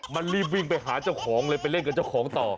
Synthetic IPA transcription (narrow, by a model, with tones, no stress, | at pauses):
ma˧nliː˧˩p̚wi˧˩ŋpa˧jɦaː˩˦t͡ɕa˥˩wkʰɔː˩˦ŋlɤː˧jpa˧jle˥˩nka˨˩t͡ɕa˥˩wkʰɔː˩˦ŋt̪ɔː˨˩